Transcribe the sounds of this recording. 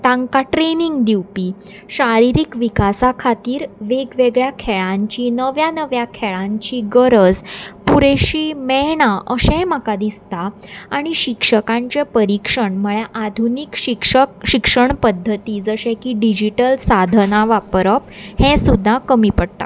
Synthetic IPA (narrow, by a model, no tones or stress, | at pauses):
t̪ãŋkaʈɾeniŋɡd̪iwpiː | ɕaɾiɾikʋikasakʰat̪iːɾʋeɡʋeɡɭjakʰeɭãɲt͡ɕinəʋjanəʋjakʰeɭãɲt͡ɕiɡəɾəd͡zpuɾeɕiːmɛɦɳ̃aʔəɕẽmakad̪ist̪aaɽ̃iɕikʂəkãɲt͡ɕepəɾikʂəɳməɭjaʔad̪ʱunikɕiɕikʂəɳpəd̪ʱːət̪iːd͡zəɕẽkiːɖid͡ʑiʈəlsad̪ʱənaʋapɾəphẽsud̪ʱːakəmiːpəɽt̪a̰